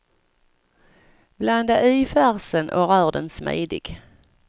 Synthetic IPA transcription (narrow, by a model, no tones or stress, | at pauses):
bland̪əʔœːfæʁsənʔo̰ːʁœːʁd̪ənsmæ̰ɪd̪ɪ̰ɡ̥